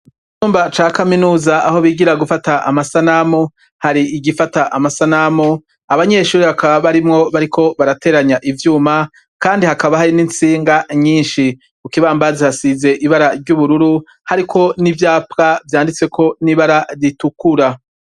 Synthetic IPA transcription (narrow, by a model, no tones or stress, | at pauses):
i | t͡ʃuːmbat͡ʃaːkaminuːzaaho̞βiːɡiɾaɡufataʔamasanamu | haɾiiɡifataʔamasanamo | aβaɲe̞ʃuːɾiβakaβaβaɾimŋo̞βaɾikʰo̞βaɾate̞ːɾaɲaʔivjuːma | kaːndihakaβahaɾinint͡siːŋɡaɲiːnʃi | ukiβaːmbazihasize̞ʔiβaɾaɾɟuβuɾuɾu | haɾikʰo̞nivjaːpkavjaːndit͡swe̞kʰo̞niβaɾaɾitukuɾa